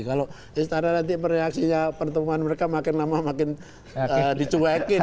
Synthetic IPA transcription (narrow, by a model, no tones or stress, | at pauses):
kalo | ist̪ananant̪iməreaksiɲapərt̪əmuanməɾekamakɪnlamamakɪn | ədit͡ʃuwakɪ